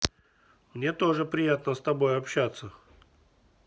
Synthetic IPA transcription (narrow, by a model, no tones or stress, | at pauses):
mnʲe̞t̪o̞ʐɨpɾʲɪjat̪nəst̪ɐbo̞jɐpɕːat̪sːə